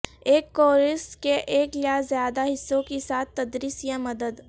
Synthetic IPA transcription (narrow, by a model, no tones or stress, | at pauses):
eːkːoːɾɪskeʔeːkljazjaːd̪aɦɪsːõkisaːt̪̚ʰt̪ɐd̪ɾiːsjãmɐd̪əd̪